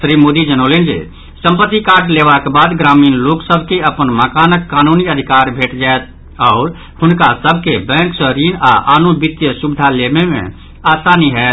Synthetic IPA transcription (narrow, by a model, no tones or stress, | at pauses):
ʃɾiːmoːd̪id͡ʒənoːlẽnd͡ʒḛ | sə̃mpət̪ːikaːɾʈleːʋakebaːd̪ɡɾaːmiːnloːksəbʱkeəpənməkaːnəkːaːnuːniəd̪ʱɪkaːɾbʱeːʈd͡ʒaːet̪̚ | ɔːɾ | hʊnkasəb̚ʱkebɛ̃ːŋksəɾiːnaʔaːnõbɪt̪jəʃʊbɪd̪ʱaleːmẽmḛ̃ | aːsaːniɦɛː